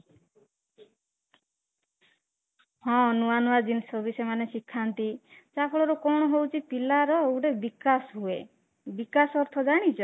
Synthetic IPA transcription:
hɔ̃nuanuad͡ʒinsɔbisemanesikʰːant̪it͡ʃapʰɔɭɔɾukɔɽ̃ɔɦowt͡ʃʰipilaɾɔewɽebikasɦue | bikasɔɾt̪ʰɔd͡ʒaɽ̃it͡ʃʰɔ

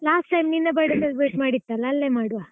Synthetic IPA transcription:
laːsʈʈɐjmninːɐbɐɽɐd̪ɐlbeːʈmaːɽit̪ːalɐːlːemaːɽuʋa

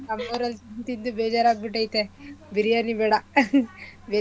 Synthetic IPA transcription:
nɐmːɐʋɾɐlt̪ind̪ubɛːd͡ʒaːɾaːɡ̚biʈ̬ːɐjit̪ːebiɾijanibɛːɽa | beː

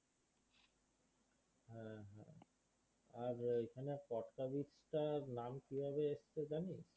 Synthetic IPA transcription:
ɦɛɦɛ̰ | aɾekʰanepɔʈkabit͡ɕʈaɾnamkibʱɔbeeʃt͡ɕʰed͡ʑaniʃ

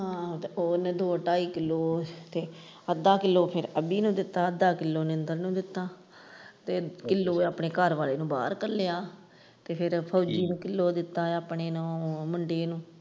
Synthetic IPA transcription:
ɦãːt̪eoːneːd̪oːʈaːiːkɪlːoːt̪eː | əd̪aːkɪlːoːpʰɪɾəbiːnũːd̪ɪt̪ːaːəd̪aːkɪlːoːnɪnd̪əɾnũːd̪ɪt̪ːaː | t̪eːkɪlːoːaːpɳeːkəɾʋaːleːnũːba̰ːɾkəɾlejaː | t̪eːpʰɪɾpʰəːd͡ʒiːnũːkɪlːoːd̪ɪt̪ːaːaːpɳeːnũːmʊɳɖeːnũː

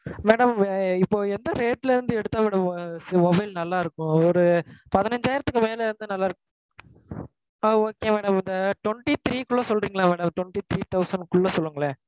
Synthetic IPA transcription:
meːɽɐmɪpːoːɛnd̪ɐɾeːʈːɪlɪɾɯnd̪ɯɛɽɯt̪ːãːmeːɽɐmsmɔbɐɪlnɐlːaːɪɾɯkːʊ̃ɔɾɯpɐðɪnɐɲd͡ʒaːjɪɾɐt̪ːɯkːɯmeːlɐɪɾɯnd̪ɯnɐlːaːɪɾɯ | aːoːkːeːmeːɽɐmɪnd̪ɐʈwɔɳʈit̪ɾiːkʊɭːɐsɔlɾiːŋɡɐɭãːmeːɽɐmʈwɔɳʈit̪ɾiːt̪ɐʊsɐɳɖkʊɭːɐsɔlːɯŋɡɐɭe

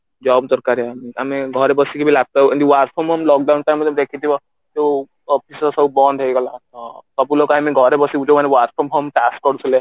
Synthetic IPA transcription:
d͡ʒɔbd̪ɔɾkaɾeamiameɡʱɔɾebɔsikebʱilab̚t̪aud̪iwaɾʈ̪̚pʰɔmɔmlɔk̚ɖawnʈajmt̪d̪ekʰit̪ibɔ | t̪eu | ɔpʰisɔsɔbubɔnd̪ʱɦejɡɔlat̪ɔkɔpulokamiɡʱɔɾebɔsiud͡ʒomanewaɾʈ̪̚pʰɔmɦɔmʈaskɔɖsʰule

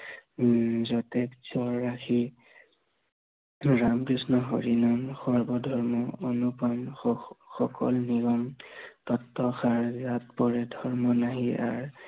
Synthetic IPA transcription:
zɔtɛksɔɹːaxʰi | ɹamkɹisnɔɦɔ̰ɹinɔnxɔɹbɔdʱɔɹmɔonupɔnxɔkʰɔ̰lniɡɔmtɔtːɔxaɹzat̚pɔɹɛdʱɔɹmɔnaɦia̰ɹ

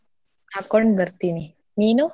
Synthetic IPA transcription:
akɔɳbʱəɾt̪ini | mino

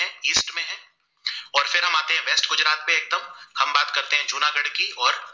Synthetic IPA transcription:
ɛ̃iːsʈmẽɦɛ̃ː | ɔːɾfɪɾɦɐmaːt̪eɦɛ̃ʋeːsʈɡʊd͡ʒɾaːt̪̚pẽeːk̚d̪əmhɐmbaːt̪kɐɾt̪eɦɛ̃t͡ʃuːnaɡɐɽkiɔːɾ

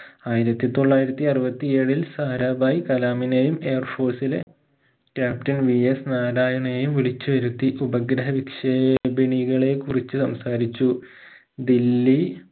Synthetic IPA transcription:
aːjiɾɐt̪ːit̪o̞ɭːaːjiɾɐt̪ːiɐrɨbɐt̪ːie̞ːɻilsaːɾaːbaːjikɐlaːminejume̞ːrfo̞ːsilḛ | kʲaːptɐnʋiesnaːɾaːjɐɳejumʋiɭit͡ɕːuʋɐɾut̪ːiʔubɐɡɾɐɦɐʋikʂeːbiɳiɣɐɭe̞kurit͡ɕːɨsɐmsaːɾit͡ɕːu | d̪ilːi

